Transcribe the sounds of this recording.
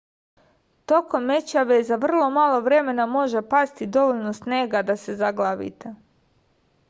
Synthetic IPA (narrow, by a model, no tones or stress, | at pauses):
t̪o̞ko̞mːe̞t͡ɕaʋezaʋr̩lˠo̞malˠo̞ʋɾe̞me̞namo̞ʒe̞past̪id̪o̞ʋoʎnosneːɡad̪ase̞zaɡlˠaʋḭt̪e